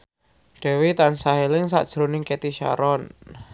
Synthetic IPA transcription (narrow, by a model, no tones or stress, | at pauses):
ɖ̪̥ɛ̤wit̪ansaɦelɪŋsa̰ʔd̥ʒ̥ɾonɪŋket̪iʃa̰ɾɔn